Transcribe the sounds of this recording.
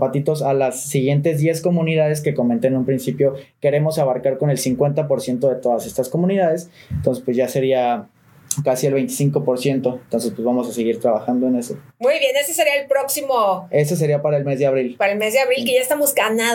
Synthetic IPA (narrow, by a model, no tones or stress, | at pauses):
pat̪it̪o̞salasːiɣje̞nt̪e̞zðje̞sko̞mũniðaðe̞ske̞ko̞mẽnt̪eːnũmpɾinsipjo̞ke̞ɾe̞mo̞saβaɾkaɾko̞ne̞lsiŋkwe̞nt̪apo̞ɾsje̞nt̪o̞ð̞et̪o̞ðase̞st̪asko̞mũniðað̞e̞sent̪o̞nsespwe̞zʝase̞ɾia | kasielβe̞jnt̪i̥siŋko̞po̞ɾsje̞nt̪o̞ent̪o̞ns̬e̞spwezβamo̞sase̞ɣiɾt̪ɾaβaxand̪oene̞so̞ | mujβjenestese̞ɾiaelpɾoksimoe̞se̞s̬e̞ɾiapaɾaelme̞zðeaβɾilpaɾaelmezðeaβɾilkeʝaest̪amo̞zɡana